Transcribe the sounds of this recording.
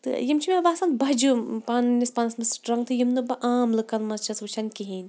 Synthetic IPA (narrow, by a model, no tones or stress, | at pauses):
t̪ɨ̰jimt͡ʃʰimʲebaːsaːnt̪bɐd͡ʒupaːnnʲispaːnɐsmɐsʈɾɐŋɡt̪ʰɨjimnɨbɐʔaːmlɨkɐnmɐzt͡ʃʰɐsut͡ʃʰɐnʲkiɦiːnʲ